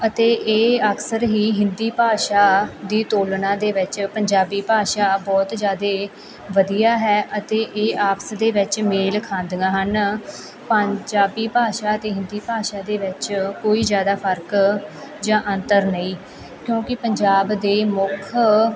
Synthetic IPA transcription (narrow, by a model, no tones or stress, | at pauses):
ət̪eːʔeːəksəɾɦiːɦɪnd̪iːpaːʃaːd̪iːt̪oːlnãːd̪eːʋɪt͡ʃpəɲd͡ʒaːbiːpaːʃaːbɔːt̪zjaːd̪eː | ʋəd̪ijaːɦɛːʔət̪eːʔeːaːpsd̪eːʋɪt͡ʃmeːlkʰãːnd̪ɡãːɦən | pəɲd͡ʒaːbiːpaːʃaːət̪eːɦɪ̃nd̪iːpaːʃaːd̪eːʋɪt͡ʃkoːiːzjaːd̪aːpʰəɾk | d͡ʒãːʔə̃nt̪əɾnəĩː | kjõːkɪpəɲd͡ʒaːbd̪eːmʊkʰ